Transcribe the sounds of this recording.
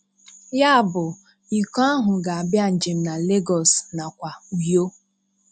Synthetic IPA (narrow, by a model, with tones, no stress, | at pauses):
ja˦˨bʊ˨ | i˨kɔ˦a˦ɦʊ˨ɡa˨a˨bja˦˨n̩˨d͡ʒɪ˨m̩˨na˨le˦ɡɔ˨sna˨kʷa˨u˨jo˦